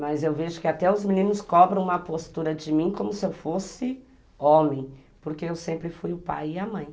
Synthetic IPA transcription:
mɐzewveʒʊkɪat̪ɛʊzminĩnʊskɔbɾɐ̃w̃ũmɐpost̪uɾɐd͡ʒɪmĩkõmʊsɪewfosɪ | õmẽj̃poɾkeewsẽmpɾɪfujʊpa̰jɪamɐ̃j̃

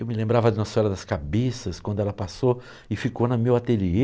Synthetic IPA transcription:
ewmɪlẽmbɾavɐd̪ɪnɔsɔɾɐd̪ɐskabesɐskwɐ̃d̪ʊɛlɐpaso | ɪfikonɐmiwat̪elie

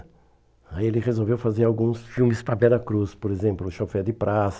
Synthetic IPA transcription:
aielɪʁezowvewfazeɾawɡũsfiwmɪspɾɐbɛlɐkɾuspoɾezẽmplʊʃofɛd̪ɪpɾʔas

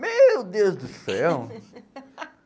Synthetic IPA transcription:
mewd̪ewzd̪ʊsɛw

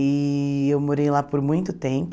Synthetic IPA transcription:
ɪewmoɾejlapoɾmũj̃t̪ʊt̪ẽp

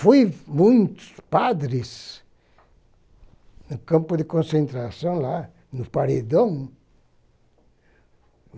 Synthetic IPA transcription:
fujmũj̃t̪ʊ̥spad̪ɾɪs | nʊkɐ̃mpʊd̪ɪkõsẽnt̪ɾasɐ̃w̃la | nʊpaɾed̪ɐ̃w̃

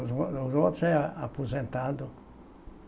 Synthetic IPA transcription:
uzot̪sɛapuzẽnt̪ad̪ʊ

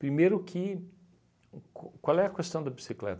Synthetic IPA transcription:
pɾimejɾʊkʰɪ | kkwalɛɐkest̪ɐ̃w̃d̪ɐbisiklɛ̰t̪

